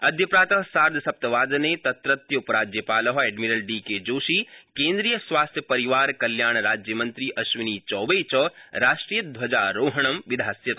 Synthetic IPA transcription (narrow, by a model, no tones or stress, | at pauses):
ɐd̪ʱjɐpɾaːt̪ɐɦsaːɾd̪ʱɐsɐp̚t̪ɐʋaːd̪net̪ɐt̪ɾɐt̪jɐpɐɾaːd͡ʒjɐpaːlɐɦeːɖmiɾɐlɖiːked͡ʒoːʃiːkẽːnd̪ɾiːjɐsʋaːst̪ʰjɐpɐɾiʋaːɾkɐljaːɳ̃ɾaːd͡ʒjɐmɐnt̪ɾiʔɐʃʋiniːt͡ʃɔːʋeːt͡ʃɐɾaːʃʈɾiːjɐd̪ʱʋɐd͡ʒaːɾoːɦɐɳ̃ɐmʋid̪ʱaːsjɐt̪